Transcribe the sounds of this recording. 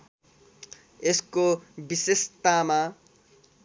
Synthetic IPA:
eskobisest̪ama

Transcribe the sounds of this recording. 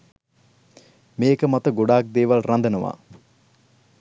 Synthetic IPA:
meːkəmɐt̪əɡoɖaːk̚d̪eːʋalrand̪ənəʋa̰ː

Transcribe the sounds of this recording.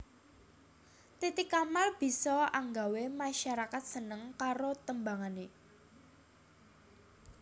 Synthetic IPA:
t̪it̪ikamalb̥i̤sɔaŋɡawemaʃaɾakat̪̚sənəŋkaɾot̪əmbaŋane

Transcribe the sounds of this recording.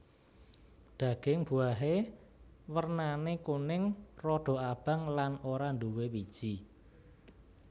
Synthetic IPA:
d̪̥ä̤ɡ̥ɪŋb̥uaɦe | wərnanekunɪŋrɔɖ̥ɔ̤ab̥a̤ŋlanoɾand̪uwewid̥ʒ̥i

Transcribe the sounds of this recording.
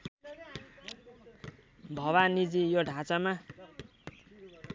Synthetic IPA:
bʱʌwanid͡zijoɖʱat͡sama

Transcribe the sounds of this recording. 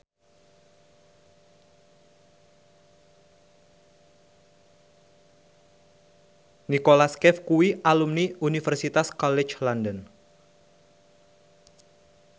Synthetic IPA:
nikolaskɛfkuiʔalumniunifɛrsit̪askɔlɛt͡ʃlandən

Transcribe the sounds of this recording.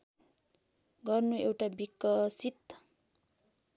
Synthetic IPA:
ɡʌrnuewʈabikːʌsit̪

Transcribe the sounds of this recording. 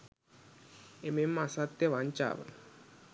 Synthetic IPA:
ememːasat̪ːjɐʋaɲt͡ʃa̰ːʋə̰

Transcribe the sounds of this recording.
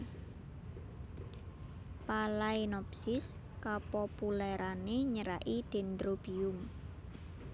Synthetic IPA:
palainɔpsɪs | kapopulɛɾaneɲəɾa̰ʔid̪̥e̤nd̪ɾob̥iʊm

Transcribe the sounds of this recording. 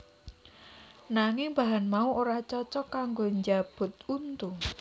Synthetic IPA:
naŋɪŋbaɦanmauʔoɾat͡ʃɔt͡ʃɔkaŋɡoɲd͡ʒab̥ʊ̤t̪̚unt̪u

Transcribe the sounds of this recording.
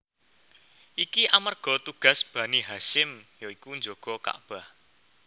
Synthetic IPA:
ʔikiʔamərɡ̥ɔ̤t̪uɡ̥a̤sb̥ä̤niɦaʃɪmjɔikuɲd͡ʒoɡ̥ɔ̤ka̰ʔb̥a̤h

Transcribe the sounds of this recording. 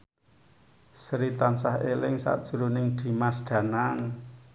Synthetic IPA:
səɾit̪ansahelɪŋsa̰ʔd̥ʒ̥ṳɾunɪŋd̪̥i̤masɖ̪̥ä̤naŋ

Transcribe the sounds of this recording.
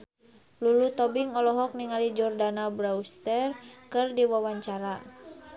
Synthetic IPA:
lulut̪ɔbiŋɔlɔɦɔk̚niŋalid͡ʒɔrdanabɾaust̪ɛrkɨrdiwawaɲt͡ʃaɾa

